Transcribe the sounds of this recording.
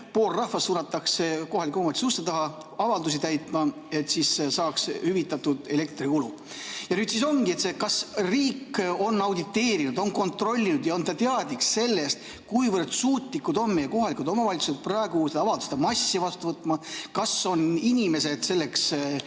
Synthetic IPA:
po̞ːlrɑhvɑsːuːnːɑt̪ːɑkseko̞ɦɑlikːˑumot̪isust̪et̪ɑɦɑ | ɑvɑld̪us̬it̪æjt̪ˑmɑ | e̞t̪ːsissɑːkshyvit̪ːˑɑt̪ːud̪̥e̞le̞kt̪rikulu | jɑnyːd̪siso̞ŋkie̞t̪se̞kɑsriːkːo̞nːɑwd̪it̪ːe̞ːɾinud̪̥o̞nko̞nt̪ro̞lʲːinud̪̥jɑo̞nt̪ɑt̪eɑd̪iksse̞lːe̞st̪̚ | kujvərd̪̥suːt̪likːud̪o̞nmejɑko̞ɦɑlikud̪o̞mɑvɑlʲit̪su̥set̪̚prɑe̞ɡ̥used̪ɑɑvɑld̪u̥se̥d̪̥ɑmɑsːivɑst̪uvɤt̪ːˑmɑkɑso̞ninʲime̞se̞d̪̥se̞lːe̞ks

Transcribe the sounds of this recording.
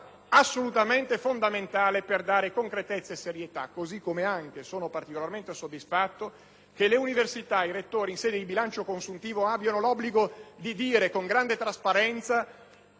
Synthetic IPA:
asːolut̪ament̪efond̪ament̪aːleperd̪aːɾekoŋkɾet̪et̪sːaeseɾjet̪a̰kːozikːomeaŋk̟esoːnopart̪ikolarment̪esod̪ːisfat̪ːo | keleuniversit̪aiɾet̪ːoːɾiːnsɛːd̪ed̪ibilant͡ʃokonsunt̪iːvoabːjanolɔbːliɡod̪id̪iːɾekoŋɡɾand̪et̪ɾaspaɾɛnt̪sa

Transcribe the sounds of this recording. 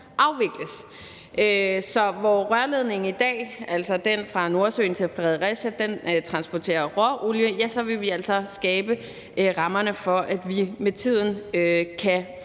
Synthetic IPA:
ʔɑ̈ʊʋe̝ɡ̥ləs | ʔøsɒ̽ʋɒʁɶɐle̝ð̞ˠne̝ŋ̩id̥ɛ̰ːæl̰sɒ̽d̥enfʁɑ̈no̝ɐsø̰ːn̩t͡sʰe̝lfʁɛðˠʁɛɕəd̥ent͡sʰʁɑ̈nsb̥ɒt͡sʰe̝̰ːɐʁɒʔuljəjæsɒ̽ʋe̝lʋiæl̰sɒ̽sɡ̥ɛːb̥ə | ʔʁɑ̈mɐnəfɒ̽ʔæd̥ʋimet͡sʰið̞̰ˠn̩økʰæ

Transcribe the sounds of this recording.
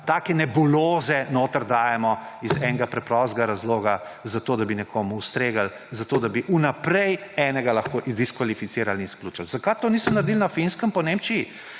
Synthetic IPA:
t̪aːkɛnɛbuloːzɛnoːt̪əɾd̪aːjɛmɔizɛnɛɡapɾɛpɾɔst̪ɡaɾazloːɡa | zat̪oːd̪abinɛkʰoːmuust̪ɾeːɡal | zat̪oːd̪abiʔunapɾɛjɛːnɛɡalɐxkoːʔid̪iskʋalifit̪siːɾalinskluːt͡ʃalzɐkajt̪oniːsɔmnɐɾd̪ilnɐfinskəmpɔneːmt͡ʃiji

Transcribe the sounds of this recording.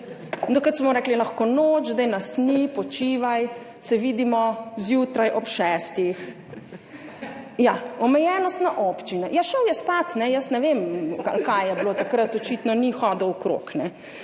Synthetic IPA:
d̪okət̪smɔɾɛːklilaxkonoːd͡ʒzd̪ajnasnipɔt͡ʃiːʋaj | sɛʋiːd̪imɔzjuːt̪ɾajʔɔpʃɛːst̪ix | jaɔmɛjɛːnɔst̪naʔɔpt͡ʃinajaʃəwjɛspat̪nɛjəsnɛʋemkalkajjɛbloːt̪akɾət̪ɔt͡ʃiːt̪nɔnixɔːd̪əwkɾo̰knɛ

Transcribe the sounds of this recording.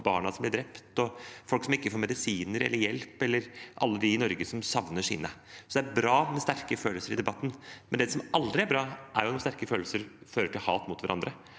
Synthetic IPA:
bɑ̰ːɳɑsɔmblɪɖɾɛpt̪ɔfɔlksɔmɪkːəfoːɾmɛd̪ɪsiːnəɾɛlːəɾjɛlpɛlːəɾʔɑ̰lːəd̪ɪɪnɔɾɡəsɔmsɑʋnəʂḭːnəsɔd̪ɛæɾbɾɑːmɛst̪æɾkəføːləlsəɾɪd̪ɛbɑt̪ːn̩mɛnd̪ɛsɔmʔɑld̪ɾɪæɾbɾɑːʔæɾjʊɑt̪ɔmst̪æɾkəføːləsəɾføːɾəʈɪlhɑːt̪mʊt̪ʋæɾʔɑnd̪ɾə

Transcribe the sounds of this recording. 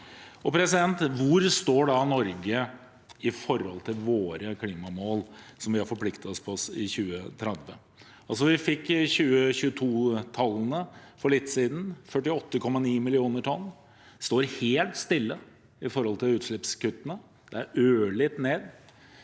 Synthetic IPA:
ɔpʰɾɛsɪd̪ɛnt̪ʋʊɾst̪oːɖɑnɔɾɡə | ɪfɔɾhɔ̰lt̪ʰɪlʋoːɾəkʰliːmɑmoːlsɔmʋɪhɑɾfɔɾpʰlɪkt̪ət̪ɔspʰɔɔsɪçʉːət̪ʰɾɛd̪ʋə̰ | ʔɑls̬ɔʋɪfɪkːçʉːəɕʉːət̪ʰuːt̪ʰɑlːənəfɔɭɪt̪ːsiːd̪nfœʈːɪɔt̪ːəkʰɔmːɑniːmɪlɪuːnəʈʰɔnː | st̪oːɾheːlt̪st̪ɪlːə | ɪfɔɾhɔlt̪ɪlʉːt̪ʂɭɪpskʉt̪ːənə | d̪̥ɛæɾøːɭɪt̪neːd̪

